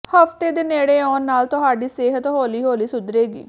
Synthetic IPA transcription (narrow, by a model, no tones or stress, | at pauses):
həft̪eːd̪eneːɽeːɔːnːaːlt̪ʊɦaːɖiːseːɦət̪ɦoːliːɦoːliːsʊd̪ɾeːɡḭː